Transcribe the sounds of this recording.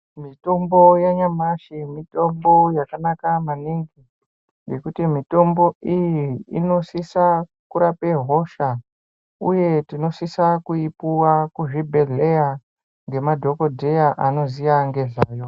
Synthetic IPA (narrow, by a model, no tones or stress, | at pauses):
mito̞mbo̞jaɲamaʃimito̞mbo̞jakanakamaniŋɡi | je̞kutimito̞mbo̞ijiːno̞sisa | kuɾape̞ɦo̞ʃa | uje̞tino̞sisakuipuwakuʐibʱe̞ɮe̞ja | ŋɡe̞madʱo̞ko̞dʱe̞jaʔano̞zijaŋɡe̞ʐaːjo̞